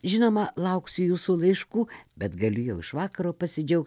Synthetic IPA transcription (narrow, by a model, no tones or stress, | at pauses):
ʒʲɪnoːmɐlˠɐʊksʲʊjuːsuːlˠɐɪʃkuːbʲɛt̪ɡɐlʲʊjɛʊɪʃʋɑːkɐɾoːpɐsʲɪd͡ʒʲɛʊk̚t